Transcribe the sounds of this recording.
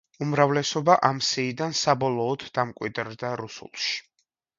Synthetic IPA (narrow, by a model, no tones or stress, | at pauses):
umɾavlɛsɔbaʔamsiːd̪ansabɔlˠɔːd̪̥ːamkʼwḭd̪ɾd̪aɾusṵlˠʃi̥